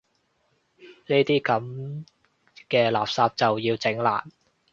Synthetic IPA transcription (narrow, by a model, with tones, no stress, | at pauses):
neː˥t̪iː˥kɐ˨˥m | kɛː˧laː˨p̚saː˧p̚t͡sɐ˨wjiː˧wt͡sɪ˨˥ŋla̰ː˨˩n